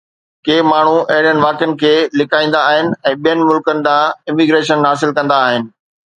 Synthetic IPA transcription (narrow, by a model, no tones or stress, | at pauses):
keːmaːɳ̤uɐɦɪɽjənɪ̆ʋaːkənɪ̆kʰeːlɪkʰaːĩːnd̪aːɦɪnɪ̆ɛ̃ːɓijənɪ̆mʊlkənɪ̆d̪ãːɪmɪɡɾeːʃənɦaːsɪlkɐ̃nd̪aːɦɪnɪ̆